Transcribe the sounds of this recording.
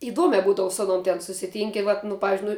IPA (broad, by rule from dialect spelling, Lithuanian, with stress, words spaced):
ɪˈduɔmʲɛ ˈbuːdɐʋʊ sʊ ɐˈnuɔm tʲɛn sʊsʲɪˈtʲiːŋʲkʲɪ ˈʋɐt nʊ ˈpɑːʋʲɪzʲd͡ʒʲʊɪ nʊ